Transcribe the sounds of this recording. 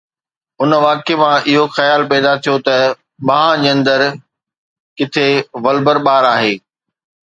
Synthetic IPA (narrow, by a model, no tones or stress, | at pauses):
ʊnʋaːkemãʔɪɦoxɐjaːlpɛːd̪at̪ʰijot̪ɐ | ɓãːɦãd͡ʑɐ̃nd̪əɾ | kɪt̪ʰeʋɐlbəɾɓaːɾaːɦeː